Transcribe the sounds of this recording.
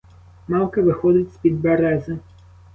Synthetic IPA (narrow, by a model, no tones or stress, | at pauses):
mɑwˠkɐʋɪxɔd̪ʲɪt͡sʲsʲpʲid̪bɛɾɛzɪ